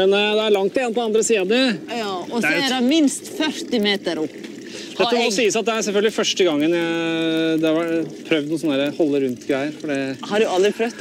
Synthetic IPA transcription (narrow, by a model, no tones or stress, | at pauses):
mɛnd̪ɛæɭɑŋt̪ʰːeːnt̪ʰɔɑnd̪ɾəsiːɑd̪ə | ɔæɾɾɑmɪnst̪fœɾt̪ɪmeːt̪əɾɔpː | d̪ɛsiːəsɑt̪̚d̪ɛæɾsɛlfœlɡəlɪfœʂʈəɡɑŋːənjæɪd̪ɛhɑɾʋæpʰɾœʋd̪nʊːsɔnːæːɾəhɔlːəɾʉnt̪ɡɾæɪəɾfɔɖɛhɑɾdʉɑld̪ɾɪpʰɾœʋ̪